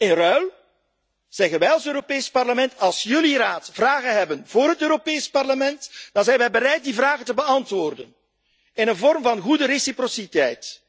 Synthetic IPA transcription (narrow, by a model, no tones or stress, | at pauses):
ɪnrœɥl | z̥ɛɣənʋɛjɑlˠsøːɾopeːspɑrləmɛntɑlˠsjɵliraːtv̥raːɣənɦɛbənvoːrɦətøːɾopeːspɑrləmɛntd̥ɑnzɛjnʋɛjbəɾɛjt̚divraːɣəntəbəɑntʋoːrdən | ɪnənvɔrmvɑnɣudəresiprositɛjt